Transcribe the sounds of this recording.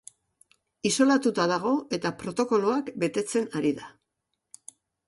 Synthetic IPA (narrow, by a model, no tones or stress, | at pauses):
iso̞lat̪ut̪aðaɣ̞o̞e̞t̪apɾo̞t̪o̞ko̞loakbe̞t̪e̞t͡se̞naɾiða